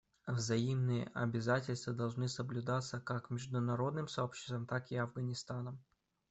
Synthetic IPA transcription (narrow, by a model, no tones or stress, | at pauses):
vzɐimnɨjə̰ʔɐ̰bʲɪzatʲɪlʲst̪vəd̪ɐlˠʐnɨsəblʲʊd̪at̪sːəkakmʲɪʐd̪ʊnɐɾo̞d̪nɨmsɐopɕːɪ̥st̪vəmt̪akɪɐvɡənʲɪst̪anəm